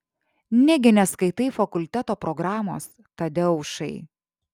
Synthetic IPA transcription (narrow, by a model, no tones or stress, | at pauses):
nʲɛɡʲɪnʲɛskɐɪt̪ɐɪfɐkʊlʲt̪ʲɛt̪oːpɾɔɡɾɑːmoːs | t̪ɐd̪ʲɪʊʃɐɪ